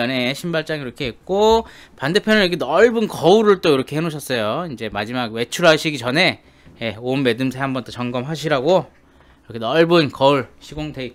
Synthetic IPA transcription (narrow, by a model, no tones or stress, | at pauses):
ʌneɕʰimbaɭt͡ɕ͈aŋiɾʌkʰe̞ɦek̚k͈o | pande̞pʰjʌnɯnʌkʰenʌɭbɯnkʌuɾɯɭt͈oiɾʌkʰe̞ɦemoɕʰʌs͈ʌjoind͡ʑe̞mad͡ʑimaɡwe̞t͡ɕʰuɾaɕʰiɡit͡ɕʌne̞ | je̞onme̞dɯmsʰeɦambʌnt͈ʰot͡ɕʌŋɡʌmɦaɕʰiɾaɡo | iɾʌkʰenʌɭbɯnkʌuɭɕʰiɡoŋdei